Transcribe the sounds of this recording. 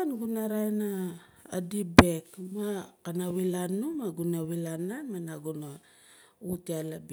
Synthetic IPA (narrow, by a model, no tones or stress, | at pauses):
nɡunaɾajna | a̰dibekmakanawilanumaɡunawilanːamanaɡuna | utialabi